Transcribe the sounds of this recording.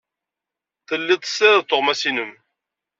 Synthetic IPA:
θəlːɪt̪ˤːə̥sːæðt̪ːoʁmæsinəm

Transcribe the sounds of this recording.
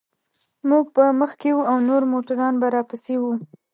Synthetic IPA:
muɡ̚pəməxkewuawnoɾmoʈaɾɑnbaɾɑpəsewu

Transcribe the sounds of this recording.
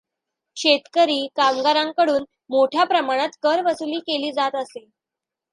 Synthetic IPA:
ɕet̪kəɾiːkamɡaɾãŋkəɽuːn | moʈʰjapɾəmaɽ̃at̪kəɾʋəsuliːkeliːd͡zat̪əse

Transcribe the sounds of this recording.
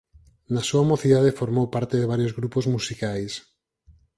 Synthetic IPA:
nasuamoθiðað̞efoɾmowpaɾt̪eðeβaɾjozɣɾupozmusikajs

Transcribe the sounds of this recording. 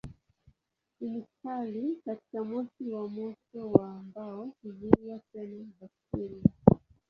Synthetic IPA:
umutalikati̥kamɔsiwamɔtɔwaːmbaɔuviwatɛnazakiɾia

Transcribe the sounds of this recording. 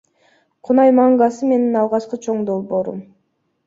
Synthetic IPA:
qʰʊnɑjmɑɴɡɑsɯme̞ninɑlˠʁɑt͡ʃqɯt͡ʃʰo̞ɴd̪o̞lˠbo̞ːɾṵm

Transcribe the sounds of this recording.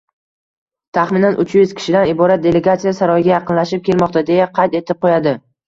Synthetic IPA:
t̪ʰaχmɪnanʔʊt͡ʃʰjʊz̥kʲɪ̥ʃɪd̪anɪbɒɾat̪̚d̪e̞le̞ɡat̪sijasaɾɒjɪɡʲajɑqɨnlaʃɪp̚kʲʰe̞lmɒqt̪ʰad̪e̞jaqʰɑjt̪e̞t̪ʰɪp̚qʰojad̪ɪ

